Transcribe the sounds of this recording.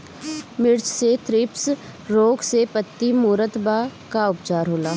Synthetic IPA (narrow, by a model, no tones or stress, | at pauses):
mɪɾt͡ʃset̪ɾɪps | ɾoːɡsepət̪ːimuːɾət̪bakaʊp̚t͡ʃaːɾɦoːlaː